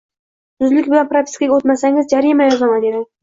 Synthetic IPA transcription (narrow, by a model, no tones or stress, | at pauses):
t̪ʰʊzlɪkʲbɪlanpɾopʰʲi̥skaɡʲot̪masaŋɪzd͡ʒaɾimajɒzamad̪ed̪ɪ